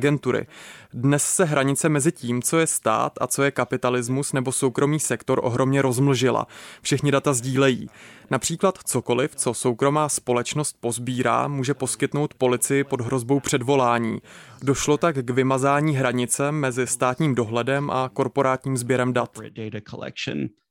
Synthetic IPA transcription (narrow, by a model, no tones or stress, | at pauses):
ɡɛnt̪uɾɪ̰dnɛssɛɦɾaɲɪt͡sɛmɛzɪciːmt͡so̞jɛst̪a̰ːt̪ʔa̰t͡so̞jɛkapɪt̪alɪzmusnɛbo̞so̞wkɾo̞miːsɛkt̪o̞ɾʔo̞̰ɦɾo̞mɲɛɾo̞zml̩ʒɪla̰fʃɛxɲɪdat̪azɟiːlɛjḭːnapr̥iːklat̪t͡so̞ko̞lɪft͡so̞so̞wkɾo̞maːspo̞lɛt͡ʃno̞st̪̚po̞zbiːɾa̰ːmuːʒɛpo̞skɪt̪no̞wt̪po̞lɪt͡sɪjɪpo̞dɦɾo̞zbo̞wpr̝̥ɛdvo̞laːɲḭːdoʃlo̞t̪akɡvɪmazaːɲiːɦɾaɲɪt͡sɛmːɛzɪst̪aːt̪ɲiːmdo̞ɦlɛdɛmʔako̞ɾpo̞ɾaːt̪ɲiːmzbjɛɾɛmdat̪d̥eɪɾəkʰəlɛ̰kʃn